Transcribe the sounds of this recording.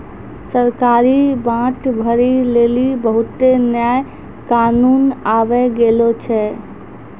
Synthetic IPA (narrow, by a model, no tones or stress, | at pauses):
səɾkaɾibãʈbʱəɾilelibəɦut̪enjaj | kanunabɛɡelot͡ʃʰɛ